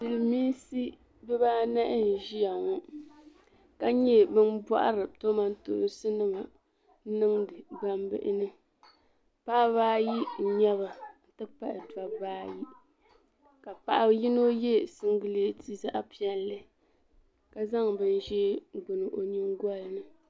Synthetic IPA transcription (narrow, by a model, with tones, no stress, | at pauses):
dɨ˨lɨ˨miː˦si˦ | bɨ˦baː˦na˦ʔɪ˦n̩˨ʒi˦a˨ŋɔ˦ | ka˦ɲɛ˦bɨ˦nba̰˦ʔa̰˦ɾɨ˨to˦ma˦n˦to̰˨˦sɨ˦nɨ˦ma˨˦ | nɨ˦ŋdɨ˨ba˦mbɨ̰˦ʔɪ̰˦nɨ˦ | pa˦baː˦ji˦˨ɲɛ˦βa˨n̩˨tɨ˦pa˨ʔɪ˨da˨baː˦ji˦ | ka˨pa˨ʔa˨˦ji˦no˦jɛ˦sɨ˦ŋ˦ɡɨ˦le˦tʰi˦za˦ʔa˦pi˦ɛ˦lːɨ˦ | ka˨za˦ŋbɨ˦n˦ʒɛ˦ɡ͡bʊ˨nɨ˨ʔo˨ɲi˦ŋ˦ɡʷa˦lɨ˨nɨ˦